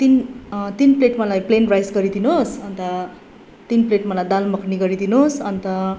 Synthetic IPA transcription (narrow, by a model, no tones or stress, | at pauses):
t̪int̪inpleʈmʌlajplenrajsɡʌɾid̪ʱinosʌnt̪ʌ | t̪inpleʈmʌlajd̪almʌkniɡʌɾid̪ʱinosʌnt̪ʌ